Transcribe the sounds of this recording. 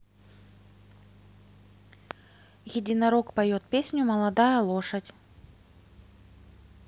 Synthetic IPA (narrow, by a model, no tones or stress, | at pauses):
ɣʲɛdʲinɐɾɔkpɐjɔt̪̚pʲesʲnʲumɐlˠad̪ajɐlˠɔʂɐt͡sʲ